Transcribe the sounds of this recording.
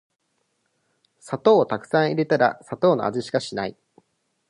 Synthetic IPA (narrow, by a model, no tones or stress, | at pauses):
sat̪o̞ːt̪akɯ̟̥sãɰ̃iɾe̞t̪aɾa̰sat̪o̞ːno̞̰a̰ziɕi̥kaɕinaḭ